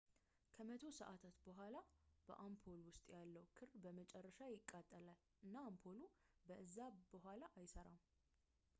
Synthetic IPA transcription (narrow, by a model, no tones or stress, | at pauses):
kʰəmət̪ʰo̞səʔat̪ʰat̪bəɦʷalab̥ə̰ʔampʰolwʊst̪ʼjalːəwkʰɨɾbəmət͡ʃʼɛrːəʃajɪkʼːat̪ʼːəlal | ʔɨnːaːmpʰolubəɨzːabəɦʷalaʔajsəɾaw